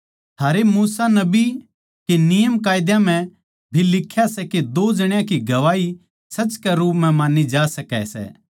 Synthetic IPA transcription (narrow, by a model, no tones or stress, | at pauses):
t̪ʰaːɾemuːsanɐbi | kenɪjəmkaːjd̪jãm̤ɛ̃ | bʱilɪkʰːjasɛked̪oːd͡ʒɐɽ̃jãkiɡɐʋaːi | sɐt͡ʃkɛɾuːpmɛ̃mãːnid͡ʒaːsɐkɛ̰sɛ̰ː